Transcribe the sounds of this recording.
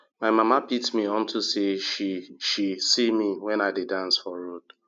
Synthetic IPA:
maɪmamapitmiɔ̃ntʰuseʃiʃisimiwɛ̃naɪdedãnsfɔɾod̥

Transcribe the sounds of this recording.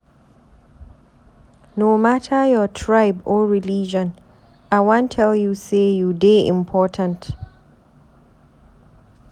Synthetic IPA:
noːmatʰəjɔtʰɹaɪbɔɹilid͡ʒɔ̃n | aɪwãntʰːɛljusejudeʔɪ̰̃mpʰɔtʰə̃nt

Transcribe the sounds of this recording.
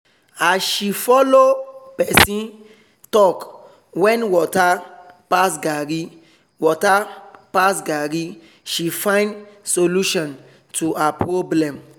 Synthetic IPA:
asʃifɔlopɛsĩn | tɔk | wɛ̃nwɔtapasɡaɾi | wɔtapasɡaɾi | ʃifãɪ̃ndsoluʃɔ̃n | tʰuapɹoblɛ̃m

